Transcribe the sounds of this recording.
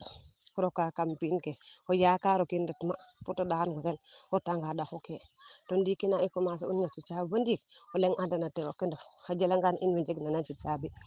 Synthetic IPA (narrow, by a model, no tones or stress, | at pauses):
ɾokakampinkeojakaɾokinditmaputadakanɡotenotaŋɡadaxoketondikinaikomaːs̬eunɲat͡ʃit͡ʃabəndikoleŋʔandanatewokːindafhad͡ʒelaŋɡanʔḭnwid͡ʒeɡnanat͡ʃit͡ʃabi